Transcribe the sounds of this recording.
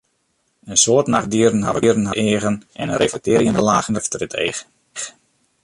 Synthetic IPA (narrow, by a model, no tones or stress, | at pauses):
ənsoətna̰xdiərən̩ɦa̰vəərn̩həʔɪːɣənʔɛnənrʔefək̚tɪːɾjəndəlaːɣəndəftrɪtʰḛː | x